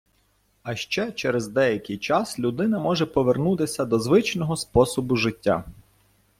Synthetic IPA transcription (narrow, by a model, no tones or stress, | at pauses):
ɐʃt͡ʃɛt͡ʃɛɾɛzd̪ɛjɐkʲɪjt͡ʃɑslʲud̪ɪnɐmɔʒɛpɔʋernut̪ɪsʲɐd̪ɔzʋɪt͡ʃnɔɦɔspɔsɔbʊʒɪtʲːa̰